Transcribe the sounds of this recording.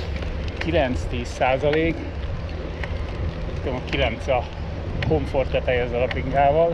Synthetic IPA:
kilɛnt̪st̪iːsaːzɒleːk | t̪k̪ɛmɒkilɛnt̪sɒ | ko̞ɱfo̞rt̪ɛt̪ɛjɛzɒɾɒbliŋɡaːvɒl

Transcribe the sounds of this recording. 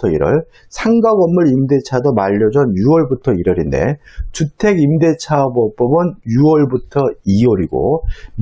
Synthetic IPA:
ʌḭɾʌɭ | sʰaŋɡaɡʌmːɯɾimde̞t͡ɕʰadomaʎːʌd͡ʑʌnjuwʌɭbutʰʌiɾʌɾinde̞̰t͡ɕutʰe̞ɡimde̞t͡ɕʰabʌp͈ʌbɯnjuwʌɭbutʰʌiwʌɾiɡo̰m

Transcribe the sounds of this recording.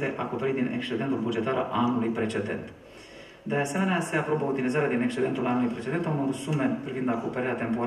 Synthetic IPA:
t̪e̞ʔako̞pe̞ɾit̪̚d̪inʔe̞̰kst͡ʃe̞d̪e̞nt̪ulbud͡ʒe̞t̪aɾa̰lanulujpɾe̞t͡ʃe̞d̪e̞̰nt̪ | d̪e̞ase̞me̞nease̞apɾo̞bəut̪ilizaɾead̪inekst͡ʃee̞nt̪ulʔanːulujpɾe̞t͡ʃd̪e̞nt̪mod̪sume̞pɾivind̪akopeɾeɾeat̪e̞mpo̞

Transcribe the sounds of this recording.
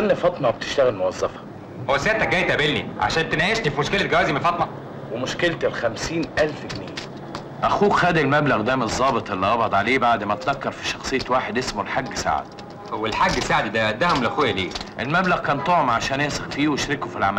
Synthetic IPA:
ʔænːifɑt̪ˤnɑwbet̪e̥ʃt̪æɣælmowɑzˤːɑfɑ̥ | howæsæːt̪æɡæːjt̪ʔæbelnḭʕa̰ʃæːnt̪enæjeʃnifimoʃkelæt̪̚ɡæwæːzimenfɑt̪ˤnɑ | wemoʃkelt̪elxæmsiːnʔælfɡniːj | ʔæxuːxæːd̪ilmæblæɣd̪æːmezˤːɑːbet̪ˤʔelːiʔɑbʕɑd̪ˤʕaleːbaʕd̪mæt̪ðækːɑɾˤfi̥ʃɑxsˤejːɑt̪waːħed̪ʔesmolħaɡːsa̰ʕ̰d̪̥ | welħaɡːsaʕd̪d̪æd̪æhomelʔæxuːjæliːʔelmæblæɣkæːnt̪ˤoʕomʕaʃæːnjæsɑqfiːweʃɾekofilʕa̰mæl

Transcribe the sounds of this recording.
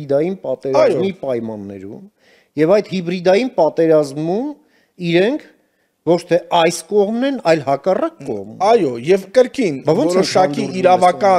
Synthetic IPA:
id̪ɑjinpɑt̪ɛɾɑjzɔmipɑjmɑnːɛ̰ɾṵm | jɛvɑjt̪hibɾid̪ɑjinpɑt̪ɛɾɑzmum | iɾɛŋkʰ | vɔt͡ʃʰt̪ʰɛɑjskɔʁmnɛnɑjlhɑkɑrɑkːɔ̰ʁmɑjɔjɛvkəɾkinbvɔnvɔt͡sɾɔʃɑkiiɾɑvɑkɑ

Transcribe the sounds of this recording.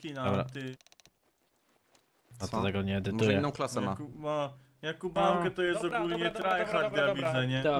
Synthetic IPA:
kʲinaɔbɾa̰t̪ɪ | ɔɔt̪ɛɡɔɲɛːd̪ɪt̪ujɛɛnɔ̃w̃klasɛmaakua | jakubaŋkɛt̪ɔjɛst̪ɔkulɲɛt̪ɾajxaɾavʲid̪zzɛɲɛ

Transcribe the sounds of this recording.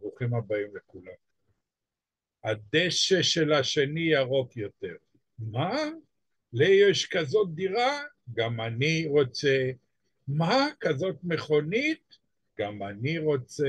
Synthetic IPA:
ʁuχimabaimlekulam | ad̪eʃeʃe̞laʃe̞nijaʁo̞kjo̞t̪e̞ʁ | ma | lejeʃkazo̞t̪̚d̪iʁa | ɡamaniʁo̞t͡se̞ | makazo̞t̪me̞χo̞nit̪̚ | ɡ̥amaniʁo̞t͡se

